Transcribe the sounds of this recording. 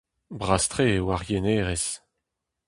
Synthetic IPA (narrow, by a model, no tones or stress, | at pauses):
bʁast̪ʁeːwaʁjeneːʁes